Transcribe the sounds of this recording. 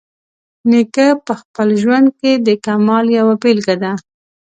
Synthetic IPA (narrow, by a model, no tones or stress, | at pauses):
nekəpəxpəlʒwand̪̚ked̪əkamɑljawapelɡad̪a